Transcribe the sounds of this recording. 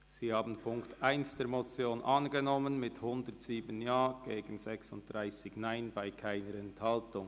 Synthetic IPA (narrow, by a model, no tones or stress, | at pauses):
z̥iːhaːbn̩pʰʊŋktʔaɪnsd̥eːɾmot͡sjoːnʔɑnɡənɔmənmɪthʊndətz̥iːbənjaːɡ̥eːɡən̩zɛksʊnt̚d̥ʁaɪsɪçnaɪnbaɪkʰaɪnəɾɛnthɑltʊŋ